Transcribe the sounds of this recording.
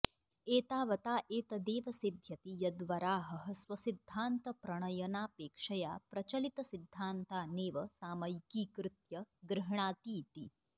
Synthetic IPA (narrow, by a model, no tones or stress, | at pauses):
eːt̪aːʋɐt̪aːʔeːt̪ɐd̪eːʋɐsid̪ʱjɐt̪ijɐd̪ʋɐɾaːɦɐɦɐswɐsid̪ʱːaːnt̪ɐpɾɐɳ̃ɐjɐnaːpeːkʂɐjaːpɾɐt͡ʃɐlit̪ɐsid̪ʱːaːnt̪aːneːʋɐsaːmɐjkiːkɾɪt̪jɐɡɾɐɦɳ̃aːt̪iːt̪i